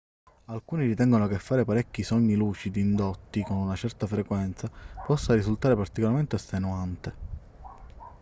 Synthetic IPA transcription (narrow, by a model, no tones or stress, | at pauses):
alkuːniɾit̪ɛŋɡonokefːaːɾepaɾɛkːisɔɲːiluːt͡ʃid̪iːnd̪ot̪ːikonunat͡ʃɛrt̪afɾekwɛnt̪sapɔsːaɾizult̪aːɾepart̪ikolaɾment̪east̪enuant̪e